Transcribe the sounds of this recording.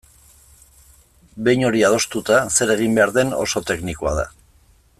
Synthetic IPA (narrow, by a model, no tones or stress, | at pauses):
be̞jɲo̞ɾiað̞o̞st̪ut̪ase̞ɾe̞ɣ̞imbe̞aɾðe̞no̞̰so̞t̪e̞knikoa̰ð̞a̰